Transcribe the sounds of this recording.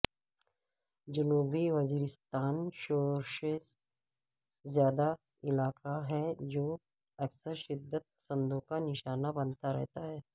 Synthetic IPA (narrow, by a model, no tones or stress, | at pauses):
d͡ʒɐnuːbiʋɐziːɾɪst̪aːnʃoːɾʃes | zjaːd̪a | ɪlaːkaɦɛd͡ʒoː | ɐksəɾʃɪd̪ːət̪̚pɐ̥sə̃nd̪õkanɪʃaːnabɐnt̪aɾɛ̰ɦt̪aɦɛː